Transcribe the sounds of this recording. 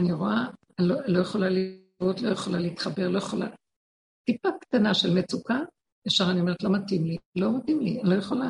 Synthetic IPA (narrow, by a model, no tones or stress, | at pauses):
aniʁoa | lolo̞jeχo̞lali | vot̪lo̞jeχolaleit̪χabe̞ʁlo̞jeχola̰ | tipakt̪anaʃelmet͡suka | efʃaʁanio̞me̞et̪lo̞matimlilo̞matimlialo̞jeχola